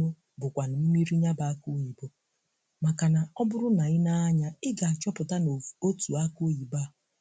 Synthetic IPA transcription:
ʊ˦ | bʊ˨kʷa˨na˨m̩˦mi˦ɾi˦ɲa˦ba˨a˦kʊ˦i˨bo˦ | ma˨ka˨na˨ɔ˦bʊ˦ɾʊ˦na˨ɪ˦na˦ɲa˦ɪ˦ɡa˨a˨t͡ʃɔ˦pʊ˨ta˦no˦tu˨a˦kʊ˦i˨ba˦˨

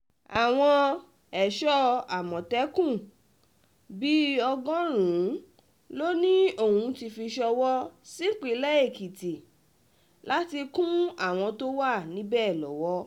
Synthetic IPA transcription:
a˨w̃ɔ̃˧ | ɛ˨ʃɔ˦a˨mɔ̃˨tɛ˦kũ˦˨ | bi˦ɔ˧ɡɔ̃˦ɾ̃ũ˨˦ | lo˦nĩ˦o˦˨hũ˧ti˧fi˧ʃɔ˧wɔ˦si˦k͡pe˨˦lɛ˦e˦˨ki˨ti˨ | la˦ti˧kũ˦a˦˨w̃ɔ̃˧to˦wa˦˨nĩ˦bɛː˦˨lɔ̰˨˦wɔ˦

